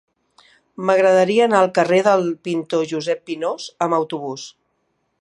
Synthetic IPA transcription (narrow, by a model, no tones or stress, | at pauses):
məɣɾəðəɾiəːnaəlˠkəreðəlˠpint̪oʒuzɛpːinozəməwt̪uβ̞us